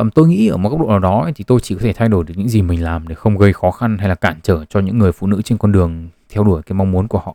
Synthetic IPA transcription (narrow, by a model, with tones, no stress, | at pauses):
t̪o˧jŋḭ˧˥ʔəː˧˩m˨˦kk͡p̚ɗ̰o̰˧˨naː˨˩ɗɔ˨˦˧t̪ʰi˨˩t̪o˧jt͡ɕi˧˩kɔ˨˦t̪ʰe˧˩t̪ʰa˧jɗo˧˩jɗɨ˨˩ɲɨ̰˧˥ŋzi˨˩mï˨˩ŋ̟laː˨˩mɗe˧˩xə˧wŋ͡mɣə˧jxɔ˨˦xa˧nha˧jlaː˨˩kaː˧˩nt͡ɕəː˧˩t͡ɕɔ˧ɲɨ̰˧˥ŋːɨ˨˩əjfṵ˧˨nɨ̰˧˥t͡ɕe˧nkɔ˧nɗɨ˨˩əŋt̪ʰɛ˧wɗu˧˩əjkaː˨˦jma˧wŋ͡mmu˨˦nku˧˩əhɔ̰˧˨